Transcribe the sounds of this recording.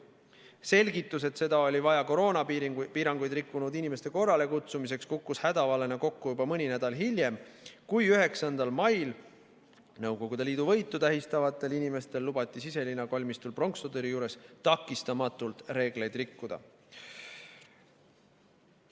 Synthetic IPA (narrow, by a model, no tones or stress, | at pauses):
se̞lʲɡit̪ːˑuse̞t̪se̞d̪ɑo̞lʲivɑjɑko̞ɾo̞ːnɑipiːɾɑŋɡ̥ujd̪rikːunud̪inimest̪e̞ko̞rːɑle̞kut̪sumis̬e̞kskukːushæd̪̥ɑvɑle̞nɑko̞kːujubɑmɤnʲinæd̪̥ɑlɦilʲje̞mkujyɦe̞ksɑnd̪ɑlmɑjl | nɤwɡ̥o̞ɡ̥ud̪eliːd̪̥uvɤ̞jt̪ːˑut̪æɦist̪ɑvɑt̪ːˑe̞linime̞st̪e̞lːub̥ɑt̪ˑːisise̞linːɑkolʲmist̪ulpro̞ŋksod̪eɾijuːɾe̞st̪ɑkːˑist̪ɑmɑt̪ːˑult̪ɾe̞ːɡ̥le̞jd̪̥rikːud̪ɑ̰